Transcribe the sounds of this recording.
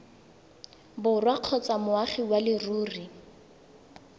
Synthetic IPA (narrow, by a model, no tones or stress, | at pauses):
bʊrwaq͡χʰɔt͡samʊaχiwalɪruːri